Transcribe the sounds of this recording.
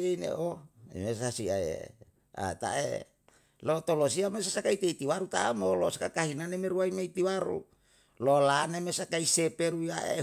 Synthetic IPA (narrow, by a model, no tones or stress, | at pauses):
einḛʔoḭmesasiaḛ | a̰t̪a̰ʔe | lot̪olosiamesasakait̪eit̪iwaɾut̪aamolosakakaɦinanemeɾuaimeit̪iwaɾṵ | lolanemesakaisepeɾuiaʔe